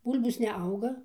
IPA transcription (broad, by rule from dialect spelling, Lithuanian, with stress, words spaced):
ˈbuːlʲboːs nʲɛˈɐʊɡɐ